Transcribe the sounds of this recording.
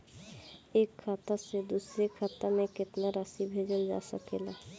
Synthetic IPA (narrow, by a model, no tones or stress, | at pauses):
eːkʰːaːt̪ased̪uːsɾekʰaːt̪amẽkɪt̪naɾasibʱeːd͡ʒəld͡ʒa̰ːsəkeːlaː